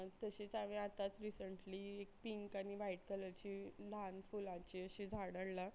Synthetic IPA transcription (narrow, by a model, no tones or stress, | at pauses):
t̪əɕet͡samĩat̪at͡sɾisəɳʈliːek̚piŋkañiʋaiʈ̚kələɾt͡ɕiːlanfulãt͡ɕiəɕid͡zʱaɽəɽla